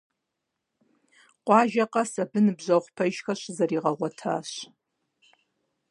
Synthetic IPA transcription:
qʷʼɑːʒɐqʼɐsabɨnɨbʒʷɐχʷpʰɐʒxɐʃʷzɐriːʁɐʁʷatʰa̰ɕ

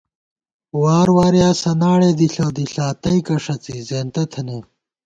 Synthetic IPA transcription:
waːɾwaːɾjaːsɐnaːɽeːd̪iɬoːd̪iɬaːt̪ɐikɐʂɐt͡sizeːnt̪ɐt̪ʰɐneː

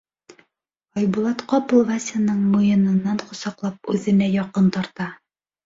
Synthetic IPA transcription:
ɒjbulˠɑt̪qɒpɤ̆lˠvasʲanɤɴmujɤ̆nɤ̆nːɑɴqŏsɑqlˠɑp̚ʉðɘ̆næjɒqɤnt̪ɒɾt̪ɑ

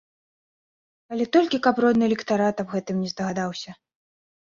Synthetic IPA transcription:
ɐlʲɛt̪ɔlʲkʲikɐprɔd̪nɨlʲɛkt̪aɾat̪abɣɛt̪ɨmnʲɛzd̪ɐɣad̪awsʲɐ

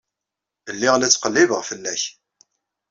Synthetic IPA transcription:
əlːɪʁlæt͡sːqəlːɪvəʁfəlːæç

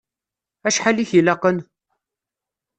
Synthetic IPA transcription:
æʃħaliçilɑqən

